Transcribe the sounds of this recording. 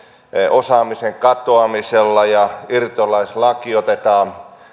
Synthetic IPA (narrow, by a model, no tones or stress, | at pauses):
ʔosɑːmiseŋkɑt̪oɑmiselːɑjɑirt̪olɑislɑkiot̪et̪ɑːn